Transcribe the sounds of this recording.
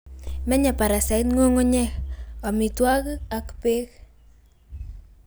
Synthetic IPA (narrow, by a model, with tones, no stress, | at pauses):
mɛ˦ɲa˨pa˨ɾa˨sa˨jtŋo˦ŋo˦ɲɛ˦kɔ˨mi˨twa˦ka˨kpe˦k